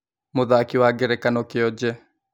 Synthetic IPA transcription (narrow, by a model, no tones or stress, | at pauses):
moðaːkiwaːɡɛɾɛkanɔkeɔd͡ʒɛ